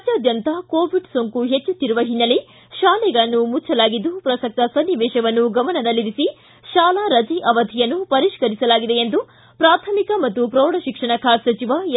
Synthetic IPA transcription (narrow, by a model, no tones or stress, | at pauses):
t̪aːd̪jɐnt̪akoːʋiɖsoŋkuɦet͡ʃːut̪ːiɾuʋɐɦinːɐle | ʃaːlɛɡɐɭɐnːumut͡ʃʰːɐlaːɡid̪ːupɾɐsɐk̚t̪ɐsɐnːiʋɛːʃɐʋɐnːuɡɐmɐnɐd̪ɐlːiɾisi | ʃaːlaɾɐd͡ʒiʔɐʋɐd̪ʱijɐnːupɐɾiʃkɐɾisɐlaːɡid̪e̞end̪u | pɾaːt̪ʰɐmikɐmɐt̪ːupɾoːɽɐʃikʂɐɳɐkʰaːsɐt͡ʃiʋa